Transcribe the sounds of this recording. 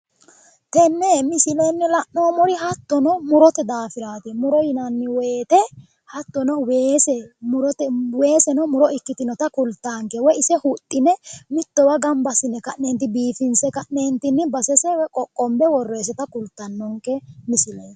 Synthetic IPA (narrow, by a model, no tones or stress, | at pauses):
t̪ɛnːɛmɪsɪlɛnːɪlɐʔːoːmɔɾɪhɐt̪ːɔnɔmʊɾɔt̪ɛd̪aːfɪɾaːt̪ɛmʊɾɔjɪnɐnːɪweːt̪ɛ | hɐt̪ːɔnɔweːsɛmʊɾɔt̪ɛweːsɛnɔmʊɾɔɪkːɪt̪ɪnɔt̪ɐkʊlt̪ːaːŋkɛwɔjɪsɛhʊt̪ʼːɪnɛmɪt̪ːɔwɐɡɐmbɐsɪnːɛkɐʔneːnt̪ːɪbiːfɪnsɛkɐʔneːnt̪ɪnːɪbɐsɛsɛwkʼɔkʼːɔmbɛwɔrːeːs̬ɛt̪ɐkʊlt̪ːɐnːɔŋkɛmɪsɪlɛ